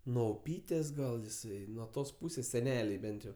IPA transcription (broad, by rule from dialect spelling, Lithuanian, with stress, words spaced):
nuɔ ʊˈpʲiːtʲeːs ɡɐlˠ jɪˈsɐɪ nuɔ ˈtoːs ˈpuːsʲeːs sʲɛˈnʲæːlʲɛɪ ˈbʲɛnt jɛʊ